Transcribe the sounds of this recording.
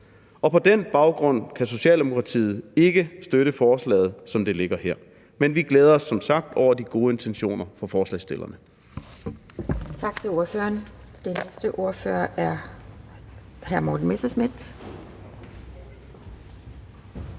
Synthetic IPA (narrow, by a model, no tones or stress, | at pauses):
ɒ̽pʰɒ̽d̥enb̥ɑ̈ʊɡ̥ʁɔ̽n̰kʰæso̝ɕɛ̰ːld̥emo̝kʰʁɑ̈t͡sʰḭːð̩ˠe̝ɡ̥əsd̥øɾəfɒːslɛ̰ːð̞̩ˠsɒ̽md̥e̝le̝ɡ̥ɐheɐ̰ | menʋiɡ̥leːð̞ˠɐɒ̽sːɒ̽msɑ̈ɡ̥̚d̥ɒʊ̰ɐd̥iɡ̥o̝ːəe̝nt͡sʰenɕo̝̰ːnɐfɒ̽fɒːslɛ̰ɪsd̥e̝lʔɐnə | t͡sʰɑ̈ɡ̥t͡sʰe̝loɐfø̰ɐnd̥enesd̥əʔo̝ɐfø̰ɐʔæɐ | hæɐmɒ̰ːd̥n̩mesɐsmid̥